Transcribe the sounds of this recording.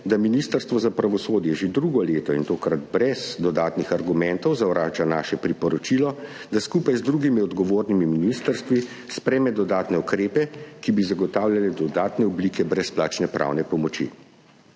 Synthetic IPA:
d̪aminiːst̪əɾst̪ʋɔzapɾaʋɔsoːd̪jɛʒed̪ɾuːɡɔleːt̪ɔint̪oːkɾad̪bɾɛz̥d̪ɔd̪aːt̪nixaɾɡumɛnt̪ɔwzawɾaːt͡ʃanaːʃɛpɾipɔɾɔt͡ʃilɔ | d̪askuːpajzd̪ɾuːɡimiɔd̪ɡɔʋoːɾnimiminist̪əɾst̪ʋi | spɾɛːmɛd̪ɔd̪aːt̪nɛukɾeːpɛkibizaɡɔt̪aːwljalɛd̪ɔd̪aːt̪nɛɔbliːkɛbɾɛsplaːt͡ʃnɛpɾʔa̰wnɛpɔmɔt͡ʃḭ

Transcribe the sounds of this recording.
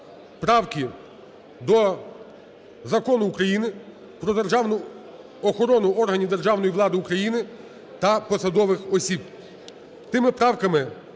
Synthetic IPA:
pɾɑwkʲɪ | d̪ɔ | zɐkɔnʊːkɾɐjinɪ | pɾɔd̪erʒɑwnʊ | ɔxɔɾɔnʊɔrɦɐnʲiʋd̪erʒɑwnɔjiʋlˠɑd̪ɪukɾɐjinɪ | t̪ɐpɔsɐd̪ɔʋɪxɔsʲib | t̪ɪmɪpɾɑwkɐmɪ

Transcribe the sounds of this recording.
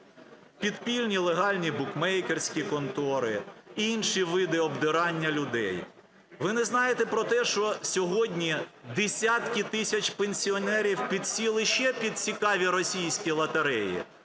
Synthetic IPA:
pʲid̪pʲilʲnʲilˠeɦɑlʲnʲibʊkmɛjkersʲkʲikɔnt̪ɔɾɪinʃiʋɪd̪ɪɔbd̪ɪɾɑnʲːɐlʲʊd̪ɛ̰j | ʋɪnɛznɑjet̪epɾɔt̪ɛʃt͡ʃɔsʲɔɦɔdʲnʲid̪esʲat̪kʲit̪ɪsʲɐt͡ʃʲpenʲsʲiɔnɛɾʲiwpʲid̪̚sʲilˠɪʃt͡ʃɛpʲid̪̥̚t͡sʲikɑʋʲiɾɔsʲijsʲkʲilˠɐt̪ɐɾɛjḭ

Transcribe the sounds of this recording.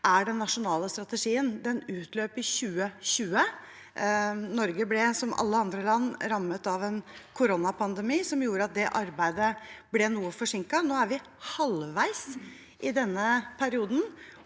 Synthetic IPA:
ʔæɖɛnːɑʂʊnɑːləst̪ɾɑt̪əʂiːənd̪ɛnʉːt̪ʰløːpɪɕʉːəɕʉːə | nɔɾɡəblɛsɔmʔɑ̰lːəɑnd̪ɾəlɑnːɾɑmːət̪ɑʋɛnkʰʊɾɔnɑpʰɑnd̪ɛmiːsɔmjuːɾəɑt̪̚d̪ɛʔɑɾbæɪd̪əblɛnuːəfɔʂɪŋkɑnoːæɾʋɪ | hɑlʋæɪs | ʔɪd̪ɛnːəpʰæɾɪuːd̪n̩

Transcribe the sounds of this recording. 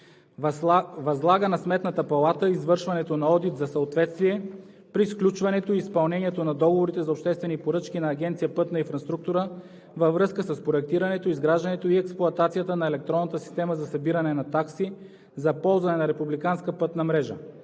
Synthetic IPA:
vɐzlˠaɡənɐsmɛt̪nət̪əpɐlˠat̪əizvɤɾʃvɐnɛt̪onɐɔd̪it̪zɐsɐot̪vɛt̪st̪viɛ | pɾisklʲut͡ʃvɐnɛt̪oiːspɐlˠnɛniɛt̪onɐd̪ɔɡovoɾit̪ɛzɐopʃt̪ɛst̪vɛnipoɾɤt͡ʃkʲinɐːɡ̟ʲɛnt̪siəpɤt̪nɐinfɾɐst̪ɾuk̚t̪ʊɾə | vəvɾɤskəsəspɾoɛk̚t̪iɾɐnɛt̪oizɡɾaʒd̪ənɛt̪oiɛksplˠʊɐt̪at̪sijət̪ənɐɛlɛk̚t̪ɾɔnːət̪əsi̥st̪ɛməzɐsɐbiɾɐnɛnɐt̪aksi | zɐpɔlˠzvɐnɛnɐɾɛpublikanskəpɤt̪nɐmɾɛʒə̰

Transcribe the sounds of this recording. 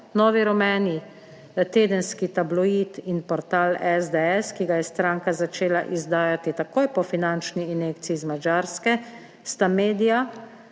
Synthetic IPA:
nɔːʋiɾɔmɛːni | t̪eːd̪ənskit̪ablɔiːt̪inpɔɾt̪aːlɛzd̪ɛɛskiɡajɛst̪ɾaːŋkazat͡ʃeːlaʔizd̪aːjat̪it̪akoːjpɔfinant͡ʃniːnekt̪siːzmad͡ʒaːɾskɛ | st̪ameːd̪ija

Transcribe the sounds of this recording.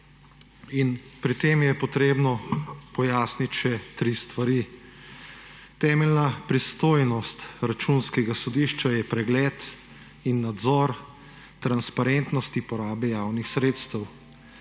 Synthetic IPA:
inpɾit̪eːmjɛpɔt̪ɾeːbnɔpɔjaːsnit̪ʲʃɛt̪ɾist̪ʋaɾiː | t̪ɛːmɛlnapɾist̪oːjnɔst̪ɾat͡ʃunskɛɡasɔd̪iːʃt͡ʃajɛpɾɛɡlɛːt̪ | inːad̪zɔːɾ | t̪ɾanspaɾent̪nɔst̪ipɔɾaːbɛjaːwnixsɾeːt̪st̪əw

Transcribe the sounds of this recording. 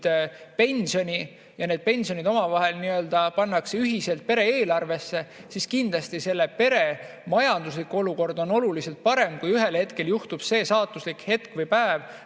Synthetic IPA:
d̪̥pe̞nʲsio̞nʲi | jɑned̪̥̚pe̞nʲsio̞nʲid̪o̞mɑvɑɦe̞lniø̞ld̪̥ɑpɑnːɑkseyɦise̞lt̪̚pe̞ɾe̞eːlɑrve̞sːe̞siskind̪lɑst̪ise̞lːepe̞ɾe̞ | mɑjɑnd̪us̬likːuo̞luko̞rd̪̥o̞no̞lulise̞lt̪̚pɑɾe̞mkujyɦe̞lhe̞t̪ke̞ljuht̪ub̥se̞ːsɑːt̪ːˑuslikhe̞t̪kvɯjpæev

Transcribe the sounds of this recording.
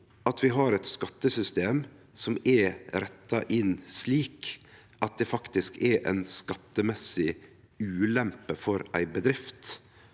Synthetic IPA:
ʔɑt̪ʰʋɪɦɑːɾɛt̪skɑt̪ːəsʏst̪eːm | sɔmɛɾɾɛt̪ːɑʔɪnsliːk | ʔɑt̪̚d̪ɛfɑkt̪ɪskɛɾʔɛ̰ɪnskɑt̪ːəmɛsɪ | ʉːlɛmpəfɔɾæ̰ɪbəd̪ɾɪft̪

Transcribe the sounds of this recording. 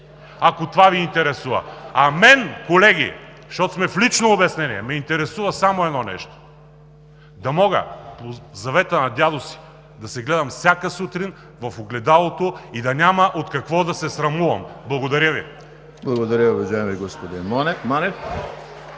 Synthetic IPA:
ɐkot̪ovaviːnt̪ɛɾɛsuvɐ̰ɐmɛnkolɛɡʲḭ | ʃt̪ɔt̪o̥smɛflit͡ʃnoːbɛsnɛniɛmɛint̪ɛɾɛsuvɐsamoɛd̪nɔnɛ̰ʃt̪o̥ | d̪ɐmɔɡə̰pozɐvɛt̪ənɐd̪ʲad̪osi̥ | d̪ɐsɛɡlɛd̪ɐmfsʲjakəsut̪ɾin | vɐfoɡlɛd̪alˠot̪oid̪ɐnʲaməʔot̪kɐkvɔd̪ɐsɛsɾɐmuvɐ̰mblˠɐɡod̪ɐɾʲjəvḭ | blˠɐɡod̪ɐɾʲəʊvɐʒaɛmiɡɔspod̪inmɔnɛmanɛf

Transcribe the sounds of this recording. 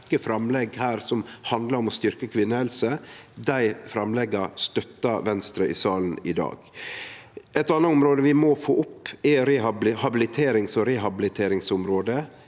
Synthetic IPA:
kəfɾɑmlɛɡhæːɾsɔmhɑnd̪ləɾɔmɔst̪ʏɾkəkʰʋɪnːəhɛlsəd̪æɪfɾɑmlɛɡːɑst̪œt̪ːɑʋɛnst̪ɾəʔɪ̰sɑːln̩ɪd̪ɑ̰ːɡ̥ | ɛt̪ːɑnːəʊmɾoːd̪əʋɪmɔfoːʔʊpːɛɾɛɑhɑbɪlɪt̪ʰeːɾɪŋsɔɾɛɦɑbɪlɪt̪ʰeːɾɪŋsʊmɾoːd̪ə

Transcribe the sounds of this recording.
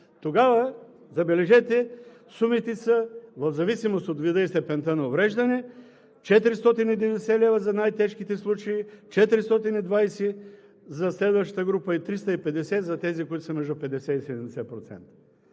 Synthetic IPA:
t̪oɡavɐ | zɐbɛlɛʒɛt̪ɛ | sumit̪ɛsɐvɐvzɐvisimost̪od̪vid̪əist̪ɛpɛnt̪ənɐovɾɛʒd̪ɐnɛ | t͡ʃɛt̪ɾist̪ɔt̪inid̪ɛvd̪ɛsɛlɛvɐzɐnajt̪ɛʃkit̪ɛslˠut͡ʃɐit͡ʃɛt̪ɾist̪ɔt̪inid̪vajsi | zɐslɛd̪vɐʃt̪ət̪əɡɾupəit̪ɾist̪əipɛd̪ɛsɛzɐt̪ɛzikoit̪ʊ̥sɐmɛʒd̪ʊpɛd̪ɛsɛisɛd̪ɛmd̪ɛsɛpɾot̪sɛ̰nt̪ə̥

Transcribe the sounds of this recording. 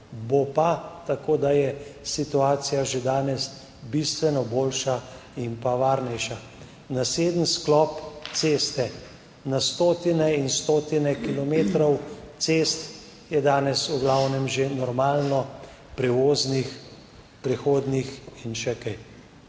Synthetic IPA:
bopat̪akoːd̪ajɛsit̪uaːsijaʒed̪aːnɛs | bist̪ʋɛnɔboːlʃaimpaʋaːɾnɛjʃa | naseːd̪ənsklɔːp̪sest̪ɛ | nast̪oːt̪inɛinst̪oːt̪inɛkilɔmeːt̪ɾɔwt̪seːst̪ | jɛd̪aːnɛsuɡlawnɛmʒenɔɾmaːlnɔ | pɾɛʋoːznix | pɾɛxoːd̪nixinʃɛkɛj

